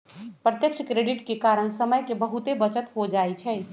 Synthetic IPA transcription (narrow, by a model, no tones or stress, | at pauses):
pɾət̪jək̚t͡ʃʰkɾeɖiʈkekaɾənsəməjkebəɦut̪ebət͡ʃət̪ɦod͡ʒaɛt͡ʃʰɛ